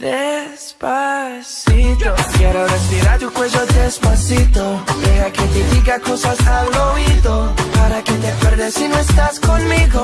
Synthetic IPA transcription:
ðespasit̪okjaɾorespiɾaɾt̪ukweʒodespasit̪oðeɣaket̪eðiɣako̞sasalɣoiðopaɾake̞t̪epeɾðesinoest̪askonmiɣo

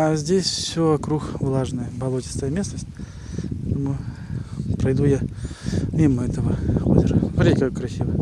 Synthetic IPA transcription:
azʲdʲesʲfsʲoɐkɾuxvlˠaʐnəjəbɐlˠotʲɪ̥st̪əjəmʲe̞snəsʲtʲ | t̪əmu | pɾɐjd̪uja | mʲiməɛt̪əvəo̰zʲɪɾəvɾʲekəjʊkɾɐsʲivəj

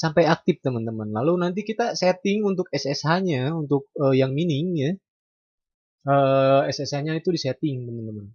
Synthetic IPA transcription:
sampajak̚t̪ɪf̚t̪əmənt̪əmənlalunant̪̬ikit̪asɛt̪ɪŋunt̪ʊk̚ɛsɛsɦaɲaunt̪ʊk̚əjaŋminɪŋja | əɛsɛshaɲait̪udisɛt̪ɪŋt̪əmənt̪əmən

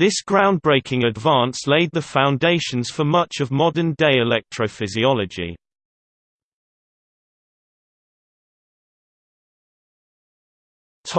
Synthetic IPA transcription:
ðɪsɡ̥ɹãʊ̃n̚bɹeɪkʰɪ̃ŋədvɑ̃ˑnsleɪd̪̚ðəfãʊ̃ndeɪʃə̃nz̥fəmʌt͡ʃəvmɒdə̃ndeɪɪlɛk̚tʰɹ̥əʊfɪziɒləd͡ʒḭ | tʰ

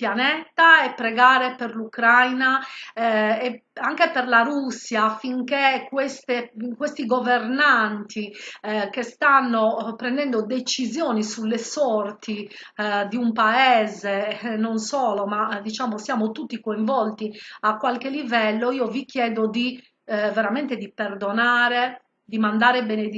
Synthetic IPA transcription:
pjanɛt̪ːaɛpːɾɛɡaːɾɛperlukɾajna | ɛaŋkepɛrlaɾusːjafiŋkekwɛst̪ekwest̪iɡovernant̪ʰikest̪anːopɾɛnd̪ɛnd̪od̪et͡ʃizjɔːnisulːesɔrt̪i | d̪iumpaɛːzenonsɔːlɔmad̪it͡ʃaːmosjaːmot̪ut̪ːikoĩɱvɔlt̪iakːwalkelivɛlːoiːovikjɛːd̪od̪i | vɛɾamɛnt̪ed̪ipɛrd̪ɔnaːɾe | d̪imand̪aːɾebened̪

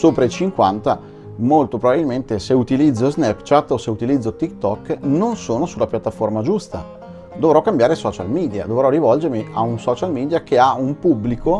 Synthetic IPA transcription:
soːpɾait͡ʃiŋkwant̪a | molt̪opɾobabilment̪eseut̪ilid̪zːoznɛpt͡ʃat̪ːoseut̪ilid̪zːot̪ikt̪ɔkːnonsoːnosulːapjat̪ːaformad͡ʒust̪a | d̪ovɾɔkːambjaːɾesɔːt͡ʃa̰lmiːd̪ja̰d̪ovɾɔɾivɔld͡ʒeɾmiʔaunsɔt͡ʃalmiːd̪jakeaumpubːliko

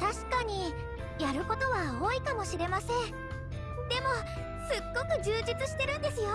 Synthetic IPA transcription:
t̪aɕi̥kaɲ̟i | jaɾɯ̟ko̞t̪o̞βaoːikamo̞ɕiɾe̞masẽ̞ɴ | d̪e̞mo̞ | sɨɡ̥ːo̞kɯ̟ʑɨːʑit͡sɨɕi̥t̪e̞ɾɯ̟̃nd̪e̞sɨjo̞

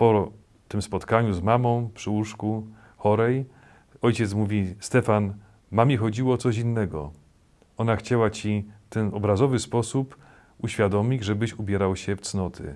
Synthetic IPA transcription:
pɔ | t̪ɘmspɔt̪kaɲuzmamɔ̃w̃pʂɘuʂku | xɔɾɛj | ɔjt͡ɕɛt̪smuvʲist̪ɛfan | mamʲixɔd͡ʑiwɔt̪sɔɕ̬inːɛɡɔ̰ | ɔnaxt͡ɕawat͡ɕift̪ɛnɔbɾazɔvɘspɔsup | uɕfʲjad̪ɔmʲid͡ʑʐɛbɘɕubʲjɛɾawɕɛft̪snɔt̪ʰɘ̰

